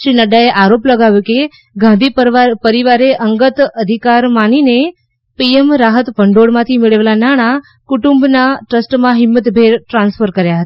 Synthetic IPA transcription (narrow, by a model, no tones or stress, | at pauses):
ʃɾinəɖaeʔaɾopləɡaʋjuke | ɡãnd̪ʱipəpəɾiʋaɾeʔəŋɡət̪əd̪ʱikaɾmanine | piemɾaɦət̪bʱəɳɖoɽmãt̪ʰimeɭəʋelanaɽ̃a | kuʈumbnaʈɾəsʈmãɦɪmːət̪bʱeɾʈɾãnsfʰəɾkəɾjaɦət̪ḁ